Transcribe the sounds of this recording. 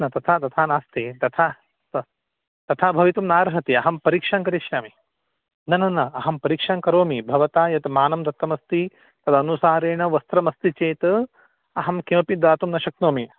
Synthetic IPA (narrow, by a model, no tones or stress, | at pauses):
nɐt̪ɐt̪ʰaːt̪ɐt̪ʰaːnaːst̪eːt̪ɐt̪ʰaː | t̪ɐ | t̪ɐt̪ʰaːbʱɐʋit̪umnaːɾɐɦɐt̪iɐɦɐmpɐɾiːkʂaːŋkɐɾiʃjaːmi | nɐnɐnɐɐɦɐmpɐɾiːkʂaːŋkɐɾoːmibʱɐʋɐt̪aːjɐt̪maːnɐmd̪ɐt̪ːɐmɐst̪i | t̪ɐt̪ʰɐnusaːɾeːɳɐʋɐst̪ɾɐmɐst̪it͡ʃeːt̪ɐ | ɐɦɐmkimpid̪aːt̪umnɐʃɐk̚noːmi